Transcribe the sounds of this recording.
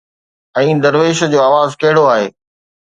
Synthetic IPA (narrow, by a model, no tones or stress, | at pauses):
ɛ̃ːd̪ɐɾʋeːʃd͡ʑoːaːʋaːzkɐɦɪɽoaːɦḛː